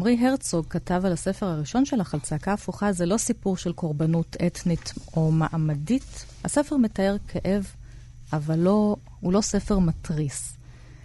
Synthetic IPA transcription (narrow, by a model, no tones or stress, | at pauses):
amʁiɦeʁt͡soɡ̚katavalase̞feʁhaʁiʃo̞nʃe̞laχalt͡sakaːfuχazelo̞sipuʁʃe̞lko̞ʁbanutetnito̞maʔamaditha̰se̞feʁme̞tae̞ʁkʰeʔe̞v | ʔavalːo̞ | hulo̞se̞fe̞ʁmatʁis